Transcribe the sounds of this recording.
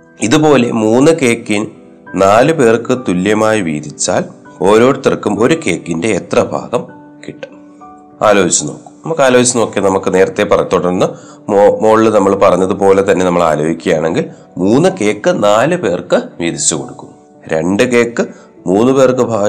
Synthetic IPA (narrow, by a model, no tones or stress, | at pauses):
iðupo̞ːle̞̰muːnːɨke̞ːkːin | naːlɨpe̞ːrkɨt̪ulːjɐmaːjiʋḭːd̪it͡ɕːa̰ːl | o̞ːɾo̞ːɽt̪irkːumo̞ɾuke̞ːkːinde̞ːt̪rɐbʱa̰ːɡɐm | kiʈːɨ̥ | aːlo̞ːɦit͡ɕːɐno̞ːkːu̥mnɐmukːaːlo̞ːɦit͡ɕːɐno̞ːkːɐnɐmukːɨne̞ːɾɐt̪ːe̞pːɐrɐt̪ːoːʈːenːɐ | omo̞ːɭːɨnɐmːɐɭpɐrɐɲːɐðɨpo̞ːle̞t̪ɐnːe̞nɐmːɐɭa̰ːloːbikʲːɐjaːɳe̞ŋɡil | muːnːɨke̞ːkːɨnaːlɨpe̞ːrkɨʋiːðit͡ɕːuko̞ɽukːunː | ɾe̞̰ɳɖɨke̞ːkːɨ | muːnːɨpe̞ːrkɨbʱaː